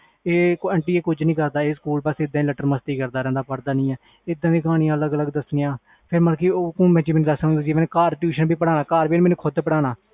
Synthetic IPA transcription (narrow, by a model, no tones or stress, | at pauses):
eːkɛːɳʈiːeːkʊd͡ʒnĩːkəɾd̪aːeːskuːlpaseɪd̪ãːləʈəɾməst̪iːkəɾd̪aːɾɛ̃ːnd̪aːpəɽd̪aːnĩːɛː | ɪd̪ːãːʋiːkaːɽ̃ijãːələɡələɡd̪əsniːãː | pʰɪɾməlkioːkũːmɛ̃ːt͡ʃiːmɪnːd̪əsɦʊ̃nd̪aːd͡ʒiːmɛːnkaːɾʈjuːʃənbiːpəɽaːnaːkaːɾbiːnmɛːnũːkʰʊd̪pəɽaːnaː